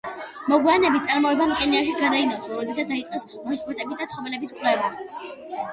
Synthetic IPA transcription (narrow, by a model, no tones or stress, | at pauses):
mɔɡwianɛbit̪̚tsʼaɾmɔɛbamkʼɛniaʃ̬iɡaɾd̪ainaχlˠɔɾɔd̪ɛs̬at̪d̪ait̪sʼqʼɛs | ɡɾusʼpʼɔt̪ʼɛbisd̪at̪sʰχɔvɛlɛbiskʼwlɛva